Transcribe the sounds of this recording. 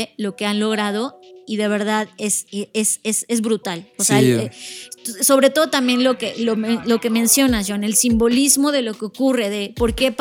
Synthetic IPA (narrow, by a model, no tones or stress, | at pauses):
elo̞ke̞anlo̞ɣɾað̞o̞iðe̞β̞e̞ɾðaðeseesese̞zβɾut̪alosea | so̞β̞ɾe̞t̪o̞ð̞ot̪ambje̞nlo̞kelomelo̞ke̞mẽ̞nsjo̞nasʝone̞lsimbo̞lizmo̞ð̞e̞lo̞keokure̞ðe̞po̞ɾke̞p